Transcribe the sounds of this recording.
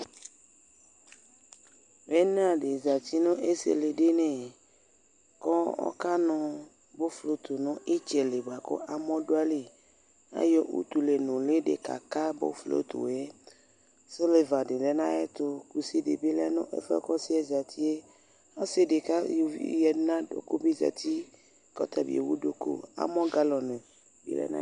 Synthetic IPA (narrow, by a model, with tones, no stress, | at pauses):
mɛ˦n˦ã˦˨ɖe˨za˨t̪i˦nõ˦ʔe˦sḛ˨le˨ɖe˦nɛ̃˨ | kɔ˦ɔ̰˦ka˦nɔ̃˦ | bo˦flo˨t̪o˨nɔ̃˦e˦t͡ʃɛ˨le˨ba˨kɔ̰˦ʔa˨mɔ̃˦ɖo˦a˦le˨ | nã̰˦jɔ˦ʔṵ˦t̪u˨le˨nõ˨le˦ɖḛ˨ka̰˨ka˦bo̰˦flo̰˦t̪o̰˨e˦ | so˦le˨va˨ɖe˨lɛ˨nã˦ɛ˦t̪o˦ku˨si˦ɖḛ˨be˦lɛ˦nɔ̰̃˦ʔḛ˦fɛ̰˦kɔ˦si˦ɛ˦za˨t̪ʰi˦e˦ | a˦se˦ɖe˨ka˦jo˨vḭ˦jɛ˦nã˦ɖo̰˨ko˦bi˦za̰˨t̪ʰi˦ | kɔ̰˦t̪a˨bḭ˨ḛ˨wu˦ɖo˨ko̰˦a̰˦mɔ̃˦ɡa˦lɔ˨nɛ̃˨ | bḭ˨lɛ̰˨nã̰˦